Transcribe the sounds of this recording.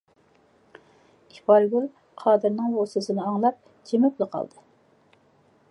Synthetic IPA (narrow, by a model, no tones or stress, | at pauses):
ipɑɾɡʲyl | qʰɑːd̪ɨɾnɪŋbosɨsɨnɨɑŋlˠɑp̚ | d͡ʒemuklˠɨqʰɑ̰lˠd̪ɨ